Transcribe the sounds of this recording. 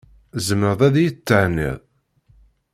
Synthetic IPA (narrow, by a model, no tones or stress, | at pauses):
zəməðˤæðjt͡s̪ːəʕnḭðˤ